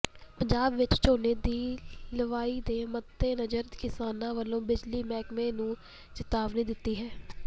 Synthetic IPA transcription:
pəɲd͡ʒaːbʋɪt͡ʃt͡ʃoːneːd̪iːləʋaːiːd̪eːmət̪ːeːnəd͡ʒəɾkɪsaːnãːʋəlːõːbɪd͡ʒliːmɛːkmẽːnũː | t͡ʃɪt̪aːʋnĩːd̪ɪt̪ːiːɦɛː

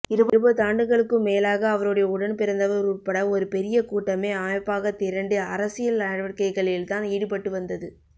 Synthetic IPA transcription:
ɪɾɯbɾɯbɐðɯaːɳɖɯɣɐɭɯkːɯmːeːlaːɣɐːʋɐɾɯɽɐjɐʊɽɐnpɪɾɐnd̪ɐʋɐɾɾuːpːɐɽɐɔɾɯpɛɾɪjɐkuːʈːɐmeːamɐɪpːaːɣɐt̪ːɪɾɐɳɖɯɐɾɐsɪjɐlɐɽɐʋɐkɐɪɣɐɭɪlt̪aːniːɽɯp̬ɐʈːɯʋɐnd̪ɐðɯ

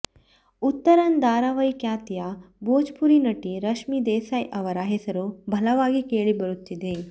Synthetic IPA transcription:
ut̪ːɐɾɐnd̪aːɾaʋɐjkjaːt̪jaːboːd͡ʒpuɾinɐʈiɾɐʃmid̪eːsaːjʔɐʋɐɾaːɦesɐɾubʱɐlɐʋaːɡikeːɭibɐɾut̪ːid̪eː

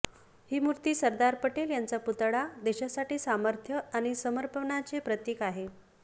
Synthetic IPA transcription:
hiːmuɾt̪iːsəɾd̪aɾpəʈeljant͡saput̪ɽad̪eɕasaʈiːsaməɾt̪ʰjəaɽ̃isəməɾpəɳat͡sepɾət̪jekaɦe

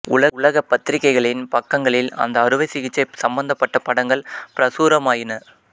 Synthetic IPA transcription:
ʊlɐʊlɐɣɐpːɐt̪ːɪɾɪkːɐɪɣɐɭɪnpɐkːɐŋɡɐɭɪlɐ̰nd̪ɐɐɾɯʋɐɪsɪɣɪt͡ʃːɐɪsɐmbɐnd̪ɐpːɐʈːɐpːɐɽɐŋɡɐɭpɪɾɐsuːɾɐmaːjɪnɐ

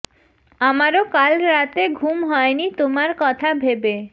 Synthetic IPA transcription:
amaɾokalɾat̪eɡʱumɦɔenit̪omaɾkɔt̪ʰabʱebe

